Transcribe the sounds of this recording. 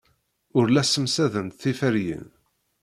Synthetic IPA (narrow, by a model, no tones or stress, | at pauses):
ʊɾlæsəmsæðənt̪θifəɾjə̰n